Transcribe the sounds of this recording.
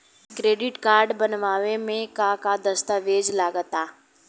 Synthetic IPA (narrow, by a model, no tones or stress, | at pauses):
kɾeːɖɪʈkaːɾɖbənʋaːʋemẽkakad̪əst̪əʋeːd͡ʒlaːɡət̪aː